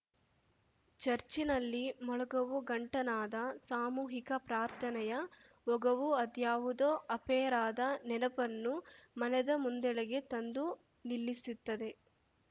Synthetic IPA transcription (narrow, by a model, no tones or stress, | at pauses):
t͡ʃɐɾt͡ʃinɐlːimɔɭɐɡɐʋuɡɐɳʈɐnaːd̪ɐsaːmuːɦikɐpɾaːɾt̪ʰɐnɛjɐ | ʋɔɡɐʋuɐd̪jaːʋud̪oːʔɐpɛːɾaːd̪ɐnɛnɐpɐnːumɐnɛd̪ɐmund̪ɛɭɐɡe̞t̪ɐnd̪u | nilːisut̪ːɐd̪e̞